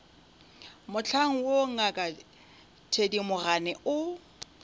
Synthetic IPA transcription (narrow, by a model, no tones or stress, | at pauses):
mʊt͡ɬʰaŋ̩woŋ̩akʼa | tʰedimʊɣanɛʊ